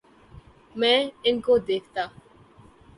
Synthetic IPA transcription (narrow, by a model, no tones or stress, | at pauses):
mɛ̃ɪnkod̪eːkʰt̪aː